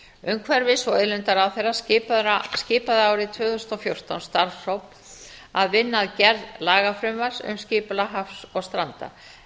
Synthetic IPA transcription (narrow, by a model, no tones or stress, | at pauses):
ʏmkʰvɛɾvɪsvɔɛðlʏnt̪aɾawθejrːasɪːpscɪːpaðaːwɾɪt̪ʰvʏːθʏsnɔfjowr̥t̪awnst̪aɾfsowp̪ | aðvɪnːaðcɛɾðlaːɣafɾʏmvaɾ̥sʏ̰mscɪːpʏlaɦafsɔɣst̪ɾant̪a̰